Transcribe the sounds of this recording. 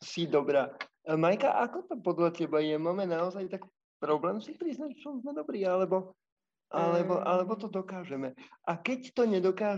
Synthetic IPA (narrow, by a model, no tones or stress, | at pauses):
sid̪ɔbɾaː | majkaʔakɔt̪apɔd̪lacɛbajɛmaːmɛnaɔzajt̪ak | pɾɔblɛːmsipɾiznacsɔnzmɛd̪ɔbɾiːalɛbɔ | ʔalɛbɔʔalɛbɔt̪ɔd̪ɔkaːʒɛmɛʔakɛct̪ɔɲɛd̪ɔkaː